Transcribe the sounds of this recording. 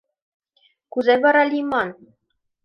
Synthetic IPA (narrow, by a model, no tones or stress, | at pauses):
kuzæβɑɾɑlʲimɑn